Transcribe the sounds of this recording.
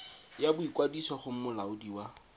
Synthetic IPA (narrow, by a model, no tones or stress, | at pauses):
jabʊikwadisɔχʊm̩mʊlaʊdiwa